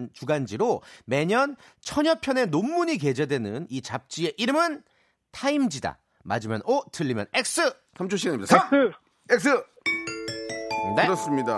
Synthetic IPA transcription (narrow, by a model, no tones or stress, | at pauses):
nt͡ɕuɡand͡ʑiɾome̞ɲʌn | t͡ɕʰʌɲʌpʰjʌne̞nomːuɲike̞d͡ʑe̞dwe̞nɯnit͡ɕap̚t͡ɕ͈ie̞ʔiɾɯmɯn | tʰaimd͡ʑida̰ | ma̰d͡ʑimjʌ̰notʰɯʎːimjʌ̰ne̞k̚s͈ɯ | sʰamt͡ɕʰoɕʰiɡaɲimːɲidaa | ek̚s͈ɯ | neɯɾʌs͈ɯmɲida